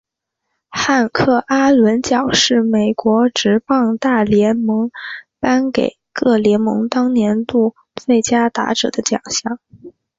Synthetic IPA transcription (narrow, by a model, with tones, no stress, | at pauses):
xa˥˧nkʰɤ˥˩ʔa˥lwə˧˥nt͡ɕjɑ˨˩ʊʂɻ̩˥˩me˨˩ɪkwɔ˧˥ʈ͡ʂɻ̩˧˥pɑ˥˧ŋt̪a˥˩ljɛ˧˥nmɤ˧˥ŋpa˥nke˨˩ɪkɤ˥˩ljɛ˧˥nmɤ̰˧˥ŋt̪ɑ˥ŋnjɛ˧˥nt̪u˥˩ | t͡swe˥˩ɪt͡ɕja˥t̪a̰˧˥ʈ͡ʂɤ̰˨˩d̪ə˦t͡ɕjɑ̰˨˩ŋɕjɑ˥˩ŋ